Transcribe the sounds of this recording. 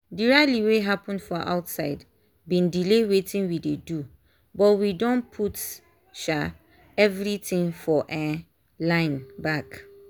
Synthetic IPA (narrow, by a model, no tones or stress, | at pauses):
diɹaliweɦapə̃ndfɔʔa̰ʊtsaɪd | bĩndilewetĩnwidedu | bɔtwidɔ̃npʰut | ʃa | ɛvɹitĩŋfɔʔɛ | lãɪ̃nbak